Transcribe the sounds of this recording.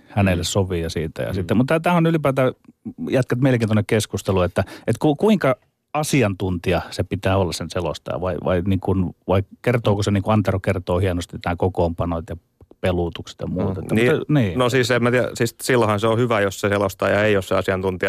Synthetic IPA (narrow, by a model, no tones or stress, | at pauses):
hænelːessoʋijɑsiːt̪æ̰jɑ̰sit̪ːemut̪ːæt̪æːonylipæːt̪æjæt̪kæt̪meilekeːnonːekkeskust̪eluet̪ːæet̪kukuiŋkɑ | ɑsiɑnt̪unt̪iɑsepit̪æːolːɑssenselo̰st̪ɑ̰jɑ̰ʋɑ̰iʋɑ̰iniːŋkunʋɑikert̪oːkoseniːŋkuɑnt̪erokert̪oːhienost̪inæːkokoːmpɑnot̪jɑ | pelut̪ukse̥t̪jɑmuːt̪eːmniːniːnosiːsemæt̪iæsiːssilːohɑnseohyʋæjosseselost̪ɑ̰ːjɑeijosseɑsiɑnt̪unt̪iɑ